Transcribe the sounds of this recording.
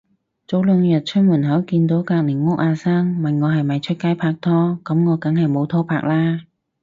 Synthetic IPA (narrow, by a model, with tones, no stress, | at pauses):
t͡so˨˥wlə˨˧ŋjə˨˩t̚t͡ɕʰʊ˥mu˨˩nɦaː˨˥wkiː˧nt̪o˨˥wkaː˧k̚ni˨˩ŋŋʊ˥k̚ʔaː˧saː˧˥ŋma˨˩ŋŋɔː˨˧ɦɐ˨˩jmɐ˨˩jt͡ɕʰə˥kaː˨˥jpʰaː˧˩k̚t̪ʰɔː˧˥kɐ˨˥mŋɔː˨˧kɐ˨˥ŋhɐ˨˩jmo˨˧wt̪ʰɔː˧˥pʰaː˧˩k̚laː˧˥